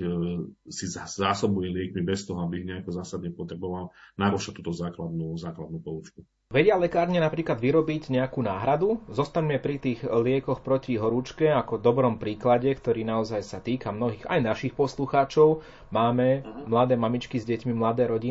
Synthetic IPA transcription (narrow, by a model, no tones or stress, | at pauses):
sizzaːsɔbujɛlɪɛkmibɛst̪ɔɦɔabiiɣɲɛakɔzaːsad̪ɲɛpɔt̪ɾɛbɔʋalnaɾɔʃat̪uːt̪ɔzaːklad̪nuːzaːklad̪̚nuːpɔut͡ʃku | ʋɛɟɪalɛkaːɾɲɛnapɾiːklad̪ʋiɾɔbiɟɲɛakuːnaːɦɾad̪uzɔst̪aɲmɛpɾit̪iːɣlɪɛkɔxpɾɔciɦɔɾut͡ʃkɛakɔd̪ɔbɾɔmpɾiːklaɟɛkt̪ɔɾiːnaɔzajsat̪iːkamnɔɦiːɣa̰jnaʃixpɔsluxaːt͡ʃɔʊ | maːmɛmlad̪ɛːmamit͡ʃkizɟɛcmimlad̪ɛːɾɔɟi